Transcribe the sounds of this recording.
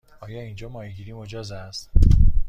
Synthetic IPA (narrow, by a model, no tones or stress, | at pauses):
ɒːjɒːind͡ʒɒːmɒːjiɡiɾiːmod͡ʒɒːzæst̪